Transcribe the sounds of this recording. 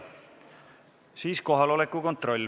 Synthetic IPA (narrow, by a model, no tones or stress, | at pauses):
siːsko̞ɦɑlo̞lekːˑuko̞nt̪ˑro̞lʲː